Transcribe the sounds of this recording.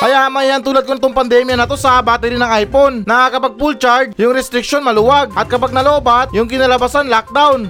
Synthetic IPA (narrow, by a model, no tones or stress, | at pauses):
kɐjaʔmɐnjaŋt̪uːlɐd̪̚koɪt̪oŋpɐnd̪ɛːmjɐnɐt̪o̞sɐbaːt̪ɪɾɪnɐŋajponnɐakɐpaɡ̚pult͡ʃaɹd̪̚jʊŋɾɛst̪ɾɪk̚ʃo̞nmɐlʊwaɡ̚ʔɐt̪̚kɐpaɡ̚nɐlo̞ːbat̪̚jʊŋkɪnɐlɐbasanlak̚d̪awn